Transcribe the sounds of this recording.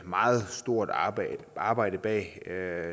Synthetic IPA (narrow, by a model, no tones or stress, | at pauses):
mɑ̈ːð̩ˠsd̥o̝ɐ̰d̥ | ɑ̈ːb̥ɑ̈ɪ̰d̥əb̥ɛ̰ː